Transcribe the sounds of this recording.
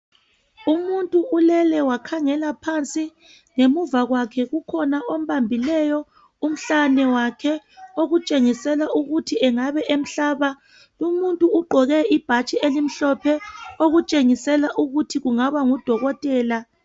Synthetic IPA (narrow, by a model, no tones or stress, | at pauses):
umuntʼuulɛlɛwakʰaŋɛlapʰant͡sʼi | ŋemuvaɣwakʰɛɣukʰɔnaʔom̩βambʱilɛjɔ | um̩ɬanɛwakʰɛoɣut͡ʃʼeŋisɛlaʔuɣutʰiɛŋaβɛʔem̩ɬaːβa | lumuntʼuːɡ͡ǃʱɔɣɛʔib̥ʱat͡ʃʼielim̩ɬɔpʰɛoɣut͡ʃʼeŋisɛlaʔuɣutʰiɣuŋaβaŋud̥ʱɔɣɔtʼɛːla